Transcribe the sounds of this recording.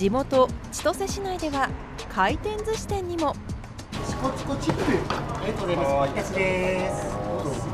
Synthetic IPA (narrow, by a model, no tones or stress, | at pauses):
d͡ʑimo̞t̪o̞t͡ɕi̥t̪o̞se̞ɕinaid̪e̞βa | kʰait̪ẽ̞nd͡zɨɕi̥t̪ẽ̞ɲ̟ːimo̞ | t͡ɕi̥kot͡sɨ̥kot͡ɕipɾɯekod̪et̪akid̪eso